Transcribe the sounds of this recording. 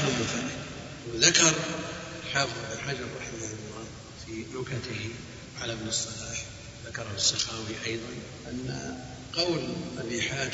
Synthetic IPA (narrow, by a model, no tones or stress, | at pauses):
ʊmɪnfaɾɪ | wðakɑɾˤ | lħaːfɨðˤðɪlħad͡ʒɑrˤːɑħɪjaɪmʊɾˤɑːd̪ | fiɾʊkat̪ɪh | ʕalamɪnɨsˤːɑlaːħ | ðakɑɾˤhʊsˤːɑxaːwiʔɑjðˤɑn | ʔanːa̰ | qɑwlʔalʔɪħaː